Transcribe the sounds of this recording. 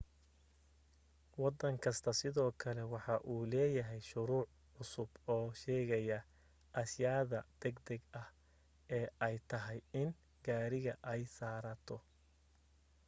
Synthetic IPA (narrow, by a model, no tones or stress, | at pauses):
wɑd̪ɐŋkʰɐst̪ʰɐsɪðɔːkʰɐlɛwɑħɑʔuːlɛːjɐɦɛjʃʊɾuːʕ | ʕʊsʊbɔːʃɛːɣɐjɐ | ɐsjaːðɐd̪̥ɛɡd̪ɛɡɐh | ɛːʔɛjt̪ʰɐɦɛjɪn | ɡaːɾɪɣɐʔɛjsaːɾɐt̪ʰɔ